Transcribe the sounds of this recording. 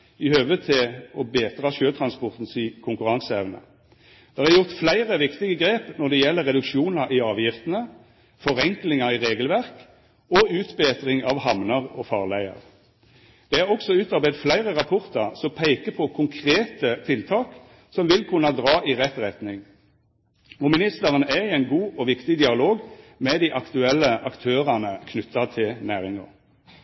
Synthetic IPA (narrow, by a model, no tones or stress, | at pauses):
ɪhøːʋət̪ʰɪɔbeːt̪ʁɑʃøːt̪ʰɾɑnspɔʁt̪n̩sikʰʊŋkʉʁɑŋsəɛʋnə̰ | d̪̥ɛːʁæɾjʊʁt̪flæɪʁəʋɪkt̪ɪɡəɡʁeːpnɔʁd̪ɛjɛlːəʁːɛd̪ʉkʃuːnəɾʔɪɑːʋjɪft̪ənə | fɔʁɛŋklɪŋəʁɪʁeːɡəlʋæʁk | ɔʉːt̪beːt̪ʁɪŋɑʋhɑmnəʁɔfɑːʁlæɪə̰ʁ | d̪̥ɛhæʁɔksɔʉːt̪ɑʁbæd̪flæɪʁəʁɑpʰʊʁt̪ɑʁsɔmpʰæɪkəpʰɔkʰʊŋkʰʁeːt̪ət̪ʰɪlt̪ʰɑːk | sɔmʋɪlkʰʉnɑd̪ʁɑːʔiʁɛt̪ʁɛt̪nɪŋ | ɔmɪnɪst̪əʁənæɪɛɪnɡuːʔɔʋɪkt̪ɪd̪ɪɑloːɡmɛd̪iʔɑkt̪ʉɛlːəʔɑkt̪ʰøːʁɑnəkʰnʉt̪ʰːɑt̪ʰɪlnæːʁɪŋə̰ʁ